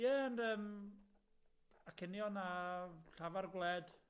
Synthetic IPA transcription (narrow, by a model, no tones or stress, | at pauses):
jɛəndəːm | akʰɪnjɔnaɬavarɡlˠɛd̥